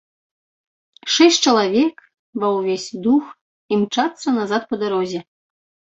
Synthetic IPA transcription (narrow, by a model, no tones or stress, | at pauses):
ʂɛsʲtʲt͡ʃɐlˠɐvʲek | vɐwvʲesʲd̪ux | imt͡ʃat̪sːɐnazat̪̚pɔd̪aɾɔzʲɛ